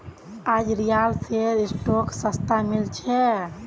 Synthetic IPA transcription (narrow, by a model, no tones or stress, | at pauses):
ad͡ʒɾijalseɾisʈoksəst̪amilt͡ʃʰɛ